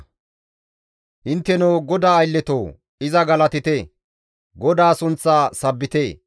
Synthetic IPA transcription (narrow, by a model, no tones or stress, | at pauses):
hɪnt̪ːɛnɔwɡɔd̪aːjlːɛt̪oː | ɪzɐɡɐlɐt̪ɪt̪e | ɡɔd̪aːsʊnt͡sːaːsɐbːɪt̪eː